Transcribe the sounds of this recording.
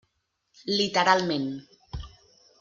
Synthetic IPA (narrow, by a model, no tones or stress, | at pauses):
lit̪əɾalˠmẽn